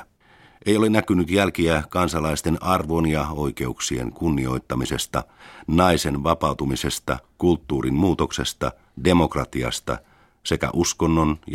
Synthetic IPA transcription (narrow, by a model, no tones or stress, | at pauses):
ʔejo̞lenækynyt̪jælkiækɑnsɑlɑist̪e̞nɑrʋo̞njɑo̞ike̞uksie̞̰ŋkunːio̞it̪ːɑmise̞st̪ɑ̰nɑise̞nʋɑpɑut̪umise̞st̪ɑ̰kult̪ːuːrimmuːt̪o̞kse̞st̪ɑ̰ | de̞mo̞krɑt̪iɑ̰st̪ɑ̰ | se̞kæ̰ʔusko̞nːonj